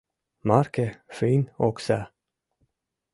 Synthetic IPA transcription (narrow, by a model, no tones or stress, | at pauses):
maɾkəfiːnɔksa